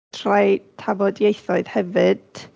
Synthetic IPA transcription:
tʰrajtʰabɔdjejθɔɨð̥hɛvɨd̥

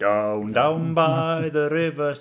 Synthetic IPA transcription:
d̥aʊ̃ndãʊ̃nbaɪðəɹɪvə

